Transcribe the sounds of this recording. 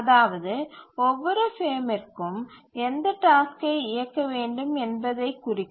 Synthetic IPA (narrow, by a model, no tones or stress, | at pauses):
ɐðaːʋɐðɯɔʋːɔɾɯfeːmɪrkɯmɛnd̪ɐʈaːskɐɪɪjɐkːɐʋeːɳɖɯmɛnbɐðɐɪkːʊrɪkː